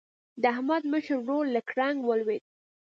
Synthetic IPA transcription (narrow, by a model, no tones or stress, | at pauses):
d̪əahmad̪məʃəɾɾolːakɾaŋɡwəlwed̪̚